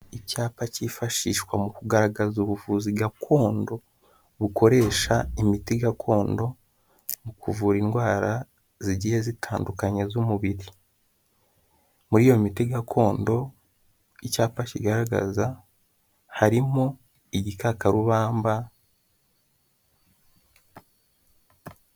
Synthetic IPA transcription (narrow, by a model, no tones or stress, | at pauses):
icaːpacifaʃiːʃkwamukuɡaɾaɡazuβuvuːziɡakʰo̞ːndo̞ | βuko̞ɾe̞ʃaimitiɡakʰo̞ːndo̞ | mukʰuvuːɾinɡwaːɾa | ziɟijezitʰaːndukaɲezumuβiɾi | muɾiːjo̞mitiɡakʰo̞ːndo̞ | icaːpacḭɡaɾaɡa̰za | haɾimo | iɟikakaɾuβaːmba